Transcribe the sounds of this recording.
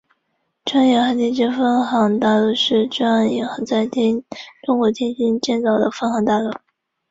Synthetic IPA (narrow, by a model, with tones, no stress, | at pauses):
ʈ͡ʂwa˥njɛ˧˩xa˧˥nt̪ʰi˥˩t͡ɕɛ˥fə˥nxɑ˧˥ŋt̪a˥˧lu˥˧˩ʂɻ̩˥˧ʈ͡ʂa˥njɛ˧˥ŋxa˧˥ŋt͡sa˥˩ɪt̪ʰi˥nʈ͡ʂʊ˥ŋkwɔ˧˥t̪ʰjɛ˥nɕi˥nt͡ɕjɛ˥˩nt͡sɑ˨˩ʊd̪ə˦fə˥nxɑ˧˥ŋt̪a˥˧lwu˥˩